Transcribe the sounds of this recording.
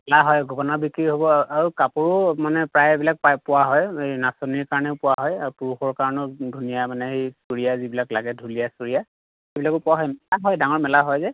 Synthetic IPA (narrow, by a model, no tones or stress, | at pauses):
mɛlaɦɔjɡʱɔbɔnabikɹiɦobɔaɹukapʊɹʊmanɛpɹajbilak̚papʊwaɦɔjejnasoniɹkaɹɔnɛʊpʊwaɦɔjaɹupuɹuxɔɹkaɹɔnɔdʱunijamanɛɦejsuɹijazibilaklaɡɛdʱulijasuɹija | xebilakʊpʊwaɦɔjmɛlaɦɔjdaŋɔɹmɛlaɦɔjzɛ